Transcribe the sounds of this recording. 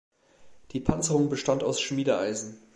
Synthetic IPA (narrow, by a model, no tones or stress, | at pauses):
d̥iːpʰant͡səʁʊŋbəʃtantaʊsʃmiːdəʔa̰ɪzn̩